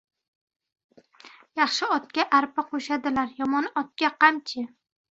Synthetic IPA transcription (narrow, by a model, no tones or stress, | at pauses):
jɑχʃɪɒt̪̚kʲaʔaɾpaqʰoʃad̪ɪlaɾjɒmɒnɒt̪̚kʲaqʰɑmt͡ʃʰɪ